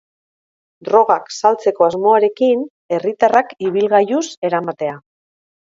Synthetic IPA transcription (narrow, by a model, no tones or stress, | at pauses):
d̪ɾo̞ɣ̞aksalt͡se̞ko̞azmo̞aɾe̞kin | e̞rit̪arakiβ̞ilɣajuse̞ɾamat̪e̞a